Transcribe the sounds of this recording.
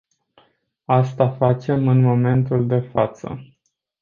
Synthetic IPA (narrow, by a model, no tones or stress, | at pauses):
ast̪afat͡ʃe̞mɨnmo̞me̞nt̪uld̪e̞fat̪sə̰